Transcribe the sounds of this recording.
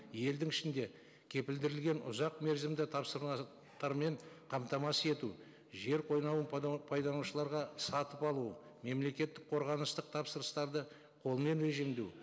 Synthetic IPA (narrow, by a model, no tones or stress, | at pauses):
je̞ld̪ɪŋɪʃɪnd̪e̞ | kʲʰe̞pɪld̪ɪɾɪlɡʲe̞nʔʊ̰zɑqme̞ɾzɪmd̪ɪt̪ʰɑpsəɾɑ | t̪ɑɾme̞ɴqʰɑmt̪ɑmɑse̞t̪u | ʒe̞ɾqʰo̞jnɑwənpʰɑjd̪ɑnuʃəlˠɑɾʁɑsɑt̪əpɑlˠuə | me̞mle̞kʲe̞t̪ːɪk̚qʰo̞ɾʁɑnəst̪əq̚t̪ʰɑpsəɾəst̪ɑɾd̪ə | qʰo̞lˠəme̞nɾe̞ʒimd̪ew